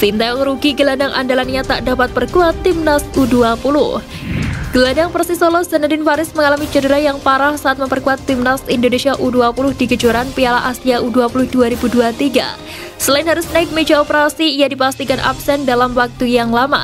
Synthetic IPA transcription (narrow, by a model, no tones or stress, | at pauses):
sint̪aɔŋɾuɡiɡəladaŋʔa̰ndalaniɲat̪a̰ʔdapat̪̚bərkuat̪ːimnasuduapulʊh | ɡ̥əladaŋpərsisolɔzanadɪnfaɾɪsməŋalamid͡ʒədəɾahjaŋpaɾahsaʔat̪̚məmpərkuat̪ːimnasindonesiaʔuduapulʊhdiɡəd͡ʒuɾanpialaʔasiaʔuduapulʊhduaɾibuduat̪iɡa̰ | səlaɪnɦaɾʊsnaɪk̚med͡ʒaopəɾasiːjadipast̪ikanʔa̰psɛndalamwak̚t̪ujaŋlama̰